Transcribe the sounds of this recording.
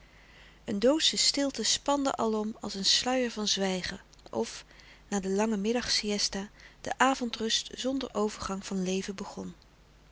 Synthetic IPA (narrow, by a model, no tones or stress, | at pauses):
əndowtsəstɪlˠtəspɑndə̰ʔɑlˠɔmɑlˠsənslœɥəɹvɑnzʋɛjχə | ɔ̰f | naːdəlɑŋəmɪdɑχsiɛstaːd̥ə̰ʔaːvɔntrɵstz̥ɔndəɹʔowvəɹχɑŋv̥ɑnlejvəbəχɔn